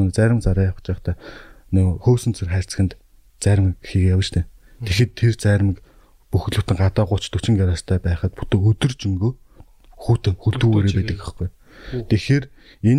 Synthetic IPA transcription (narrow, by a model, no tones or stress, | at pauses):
nt͡sæːɾʲɪ̆mt͡saɾaːjḁ̆t͡ɕæːχt̪ʰæːnʊxoːsɘ̆nt͡sʰerχæːr̥ʲt͡sɘ̥̆xɘ̆nt̪ | t͡sæːɾ̆mkxiːɣjawə̆t͡ɕt̪ʰeː | t̪ʰexĕːt̪ʰːert͡sæːɾ̆mĭk | puxt̪ɮɵ̥̆t̪ɘ̆ŋɢat̪aːɢʊt͡ɕt̪ʰut͡ɕɪ̆ŋɡaɾaːst̪ʰæːpæːχə̆t̪put̪eːɵt̪ɵ̆rt͡ɕɵŋɡoː | xuːt̪xɵɬt̪ɡuːɣeːɾeːpæːt̪ɘ̆kə̥̆χɡuj | t̪ʰexeːr | en